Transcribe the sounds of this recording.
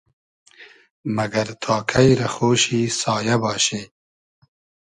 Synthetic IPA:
maɡaɾt̪ʰɑːkʰajɾaxoːʃisɑːjabɑːʃe

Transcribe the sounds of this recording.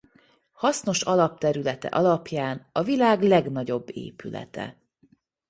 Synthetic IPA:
hɒsno̞ʃɒlɒp̚t̪ɛɾylɛt̪ɛ̰ʔɒlɒpjaːnɒvilaːɡlɛɡnɒɟo̞bːḛːpylɛ̰t̪ɛ̰

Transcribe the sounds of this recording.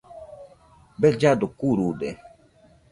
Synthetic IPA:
bɛd͡ʒad̪okuɾud̪ɛ

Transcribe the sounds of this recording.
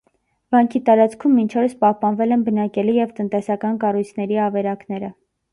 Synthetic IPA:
vɑŋkʰit̪ɑɾɑt͡skʰumːint͡ʃʰɔɾəspɑhpɑnvɛlɛnbənɑkɛlijɛvt̪ənt̪ɛsɑkɑnkɑrujt͡sʰnɛɾiɑvɛɾɑkn̪ɛɾə

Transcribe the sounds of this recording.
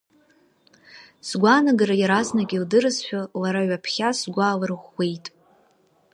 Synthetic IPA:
sɡʷanaɡaɾajaɾaznaɡʲildɨrɨzħᶣalaɾaɥapʰχʲasɡʷaːlɨrʁʷːe̞jtʼ

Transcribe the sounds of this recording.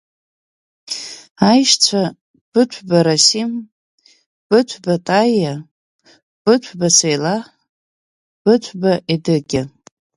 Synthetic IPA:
ajʃt͡sʷʰa | b̥ɨt͡ʃʷʰbaɾasim | b̥ɨtʷʰbatʼaja | b̥ɨtʷʰbasejla | b̥ɨtʷʰbaʔidɨɡʲɪ

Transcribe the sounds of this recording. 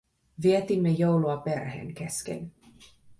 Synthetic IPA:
ʋiɛt̪imːejowluɑperhḛːŋkeskḛn

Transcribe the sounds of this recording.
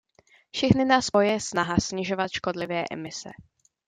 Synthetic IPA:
fʃɛxnɪnaːspojɛɛsnaɦasɲɪʒo̞vat̪ʃko̞dlɪvɛːʔɛ̰mɪsɛ̰

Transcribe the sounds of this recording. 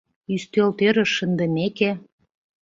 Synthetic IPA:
yst̪elt̪øɾə̆ʃːə̆nd̪ə̆meke

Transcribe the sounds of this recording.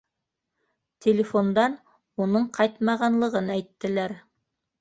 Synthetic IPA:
t̪ʲʰelʲɪfo̞nd̪ɑn | unɤɴqʰɑjt̪mɑʁɑnlˠɤ̆ʁɤnæjt̪ːɘ̆læɾ

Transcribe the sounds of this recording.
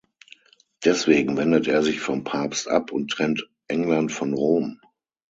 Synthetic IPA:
d̥ɛsv̥eːɡŋ̩vɛndəteːɐzɪçfɔmpʰaɐpstʔa̰pʰʊntʁ̥ɛnt | ʔɛŋlantfɔnʁoːm

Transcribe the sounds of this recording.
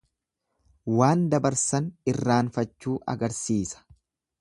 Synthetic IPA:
waːnd̪ɐbɐɾsɐnɪrːaːnfɐt͡ʃːuːʔɐ̰ɡɐɾsiːsɐ̥

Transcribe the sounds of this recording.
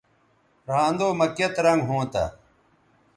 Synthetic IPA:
ɾãːnd̪oːmɐkjɐt̪ɾɐ̃ŋɡɦõːt̪a̰

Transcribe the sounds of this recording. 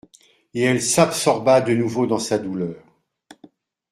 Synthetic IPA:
eɛlsabsɔʁbad̪ənuvod̪ɑ̃sad̪ulœːʁ

